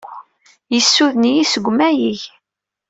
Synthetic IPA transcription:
jəsːuðnijisəɡʷmæjiʝ

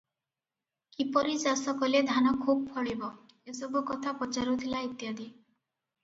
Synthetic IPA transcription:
kipɔɾid͡ʒasɔkɔled̪ʱanɔkʰub̚pʰɔɭibɔ | esɔbukɔt̪ʰapɔt͡ʃaɾut̪ʰilait̪jad̪i

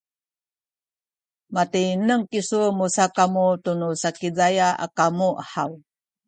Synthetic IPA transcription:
matinəŋkisumusakamutunusakizajaʔa̰kamuʔəħaw

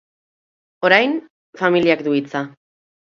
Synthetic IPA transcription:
o̞ɾajn | familiakd̪uit͡sa

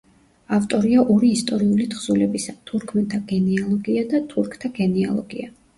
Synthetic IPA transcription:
aft̪ʼɔɾiaʔɔɾiːst̪ʼɔɾiulit̪ʰχz̥ulɛbisat̪ʰuɾkʰmɛnt̪ʰaɡɛnialˠɔɡiad̪at̪ʰuɾkʰt̪ʰaɡɛnia̰lˠɔɡḭa

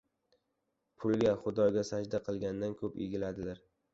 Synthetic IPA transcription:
pʰʊlˠɡʲaχʊd̪ɒɡʲasad͡ʒd̪aqʰɨlˠɡʲand̪ankʲʰɵpḛɡʲɪlad̪ɪlaɾ

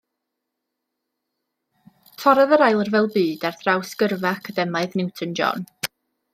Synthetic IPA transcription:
tʰɔɾaðəɾajlˠərvɛlˠbɨːdarθrawskərvaakʰadɛmaɨðnɪwtʰənd͡ʒɔ̰n

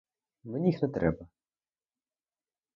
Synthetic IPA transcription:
nenʲixnɛt̪ɾɛ̰bɐ

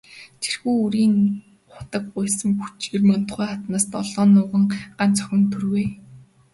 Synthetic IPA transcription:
tʰe̥rxuːuɾiːŋ | χʊ̥t̪ə̆k̚ɢʊjsə̆ŋxut͡ɕirmœn̥t̪ɢæːχat̪naːst̪ɔɮɔːnʊːʁə̆ŋɢant͡sœ̥xʲɪ̆nt̪ʰurɣeː

